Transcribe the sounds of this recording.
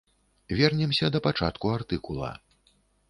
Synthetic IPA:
vʲɛrnʲɛmsʲɐd̪ɐpat͡ʂa̰t̪kuart̪ɨkulˠɐ̰

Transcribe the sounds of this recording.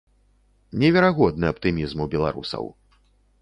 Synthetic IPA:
nʲɛvʲɛɾaɣɔd̪nɨɐp̚t̪ɨmʲizmubʲɛlˠa̰ɾṵsɐ̰w

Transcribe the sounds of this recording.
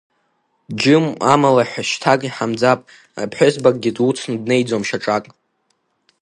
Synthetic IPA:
d͡ʒɪma̰malaħʷᶣaʃtʰakʼiħamd͡zapʼ | a̰pʰħʷᶣʊzbakʼɡʲɪdʼwut͡sʰnɨdne̞jd͡zomʃaʈ͡ʂʼakʼ

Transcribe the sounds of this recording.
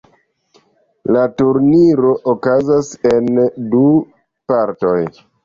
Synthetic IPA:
latuɾniɾo̞ʔokazase̞ndu | paɾto̞j

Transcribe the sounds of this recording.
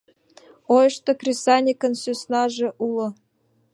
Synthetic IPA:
ojɤ̆ʃt̪ŏkrʲesɑnʲikə̆nsʲøsnɑʒĕʔulˠɤ̆

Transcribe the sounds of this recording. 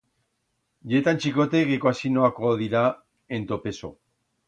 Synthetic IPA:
ʝet̪ant͡ʃiko̞t̪eɣekoasinoakoðiɾa | ent̪o̞pe̞so̰

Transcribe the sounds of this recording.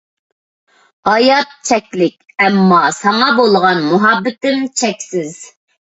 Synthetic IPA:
ɑjɑt̪̚t͡ʃʰɛkʲlɪkʲɛmːɑsɑŋɑbolˠʁɑnmuɦɑbːɪt̪ɪmt͡ʃʰɛkʲsɪz̥

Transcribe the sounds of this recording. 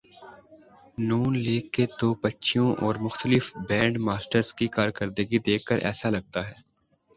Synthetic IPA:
nuːnleːkːet̪obɐtːʃʰijõʔɔːɾmʊxt̪əlɪfbɛ̃ːɳɖmaːsʈəɾzkikaːɾkəɾd̪ɪɡid̪eːkʰːəɾʔɛ̰ːsalɐɡ̚t̪aɦɛː

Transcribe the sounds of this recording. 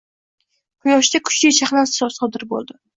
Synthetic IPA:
qʰʊjɒʃd̪akʰʊ̥t͡ʃlɪjt͡ʃʰaχlˠansɒsɒd̪ɪɾbo̰lˠd̪ɪ

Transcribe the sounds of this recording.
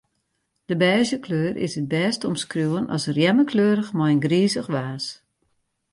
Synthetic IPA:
d̥əbɛːzəkʰløːɾʔɪ̰sət̚bɛːstɔmskrjuwənɔ̰sərjɛməkʰløːɾəxmɔjnɡriːzəxʋaːs

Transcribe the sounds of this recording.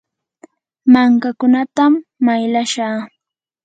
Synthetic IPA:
maŋkakʊnat̪amːajlaʃaː

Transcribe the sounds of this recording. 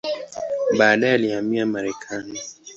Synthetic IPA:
ɓaːɗajɛalihamiamaɾɛkʰani

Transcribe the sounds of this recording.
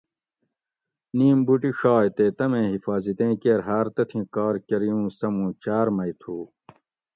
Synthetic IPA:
niːmbuʈiɕaːjt̪eːt̪ɐmẽːɦifaːzit̪ẽːkeɾɦaːɾt̪ɐt̪ʰĩkaːɾkɐɾijũːsɐmũːt͡ɕaːɾmɐjt̪ʰuː

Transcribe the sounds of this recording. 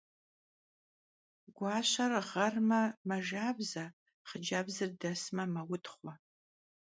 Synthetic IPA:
ɡʷɑːɕɐrʁɐrmɐmɐʒaːbzɐ | χəd͡ʒaːbzɨrdɐsmɐmɐwʊtχʷɔ

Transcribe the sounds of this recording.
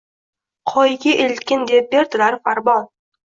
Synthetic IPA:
qʰɒjɡʲɪʔelt̪kʲɪnd̪ep̚beɾt̪ɪlaɾfaɾbɒn

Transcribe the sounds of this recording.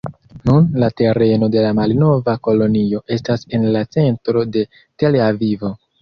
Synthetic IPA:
nunlate̞ɾe̞no̞de̞lamalno̞vako̞lo̞nio̞ʔe̞stase̞nlat͡se̞ntɾo̞de̞ | te̞leavivo̞

